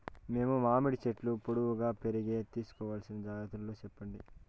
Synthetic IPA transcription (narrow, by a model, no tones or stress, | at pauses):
me̞ːmumaːmiɽit͡ʃeʈlupoɽuʋuɡaːpe̞ɾiɡe̞ːt̪iːsu̥kɔːʋaːlɐsinɐd͡ʒaːjɐt̪ullːoːt͡ʃɛpːɐɳɖi